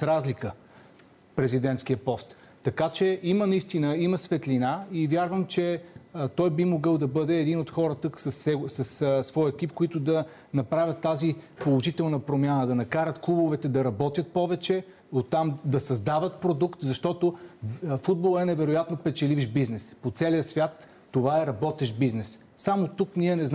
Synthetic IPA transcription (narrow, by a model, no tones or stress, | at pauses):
sɾazlikə | pɾɛzid̪ɛnt̪skijəpɔst̪ː | ɐkat͡ʃɛimənɐist̪inəiməsvɛt̪lʲinaivjaɾvəmt͡ʃɛt̪ɔjbimoɡɤlˠd̪ɐbɤd̪ɛːd̪inot̪xɔɾət̪əksəsɛsɐssvɔjɛkipkoit̪ʊd̪ɐ | nɐpɾavʲjət̪ːazipolˠoʒit̪ɛlˠnəpɾomʲjanəd̪ɐnɐkaɾət̪klˠubovɛt̪ɛd̪ɐɾɐbɔt̪jət̪̚pɔvɛt͡ʃɛ | ot̪ːamd̪ɐsɐzd̪avət̪pɾod̪ukt̪zɐʃt̪ɔt̪ofud̪̚bolˠəɛnɛvɛɾojat̪nopɛt͡ʃɛliviʃbiznɛspot̪sɛliəsvʲjat̪ː | ovaɛɾɐbɔt̪ɛʃbiznɛs | samot̪ukniɛnɛzn